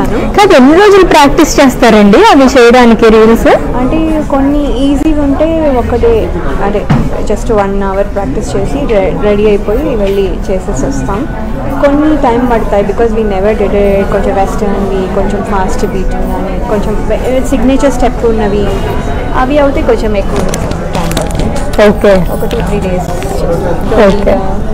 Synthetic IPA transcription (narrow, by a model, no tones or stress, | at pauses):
kaːnukaːt̪enːiɾo̞ːd͡ʒulupɾaːk̚ʈist͡ʃeːst̪aːɾɐɳɖiɐʋit͡ʃɛːjɐɽaːnikeɾils | ɐɳʈeːko̞nːiiːziɡuɳʈe̞ːɔkːɐɖeː | ɐʈeːd͡ʒɐsʈʋɐnɐʋɐɾpɾaːk̚ʈist͡ʃeːsiɾeɽiɐjpoːjiʋʋɐɭːit͡ʃeːsesɐst̪aːm | konːiʈɐjmpɐɽut̪aːjibikɔːzʋiːnɛʋɐɾɖɪɖkoɲt͡ʃɐmʋɛsʈɐɾɐnd̪ikoɲt͡ʃõmfaːsʈbiːʈiɡaːnikoɲt͡ʃɐmsiɡneːt͡ʃɐɾsʈɛpːunːɐʋi | ɐ̰ʋiɐwut̪eːkoɲt͡ʃɐmeːkun | ʈajmpɐɽt̪a̰oːkeɔkɐʈ̪ut̪ʰɾiːɖeːz | it͡ʃeːlusooːkːe